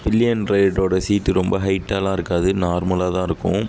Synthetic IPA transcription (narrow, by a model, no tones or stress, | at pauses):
ʋɪlːɪjɐnɾeːɖoːɽɐsiːt̪ːɯɾɔmbɐɦɐɪʈːaːlãːɪɾɯkːaːðɯnaːɾmɐlaːt̪ãːɪɾɯkːʊ̰̃